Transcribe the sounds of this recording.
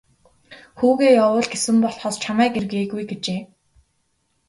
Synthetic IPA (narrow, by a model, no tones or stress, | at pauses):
xuːɣeːjawʊːɮɡesɘ̆mpɔɮχɔst͡ɕʰamæːkerɣeːɣujɡet͡ɕeː